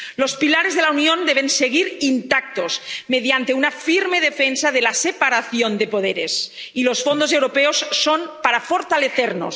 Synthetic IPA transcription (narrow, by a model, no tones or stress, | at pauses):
lospilaɾezðelaunjond̪eβ̞enseɣiɾint̪ak̚t̪ozmeðjant̪e̞unafiɾmeð̞efensaðelasepaɾaθjond̪epoð̞eɾes | ilo̞sfond̪osewɾopeosːonpaɾafoɾt̪aleθeɾno̰s